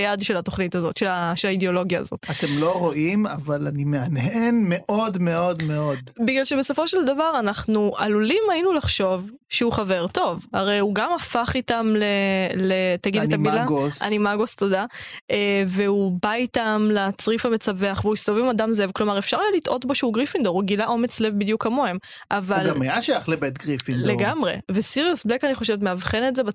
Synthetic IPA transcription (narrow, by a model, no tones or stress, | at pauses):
jadʃe̞lat̪o̞χnitazo̞t̪ʃelaʃelaideo̞lo̞ɡja̰ːzo̞̰t̪atemloʁo̞ʔima̰valanimeanɦenmeʔo̞dmeodmeo̞d̪biɡlalʃebeso̞fo̞ʃeld̪avaʁanaχnuʔalulimainulaχʃo̞v | ʃeuχave̞ʁt̪o̞vaʁejuɡamafaχit̪amlelet̪aɡid̪etamilaɡosanimaɡost̪odaeveubait̪amlat͡sʁifame̞t͡save̞aχveuist̪ovimadamzevklo̞maʁefʃaʁajalit̪ʔo̞t̪bo̞ʃeuɡʁifind̪oʁuɡilaʔo̞me̞t͡sle̞vbid̪jukamo̞em | ʔavalɡamajaʃajaχlebet̪ɡʁifinleɡamʁe̞̰vesiʁiusblekaniχo̞ʃevet̪meavχenetzeba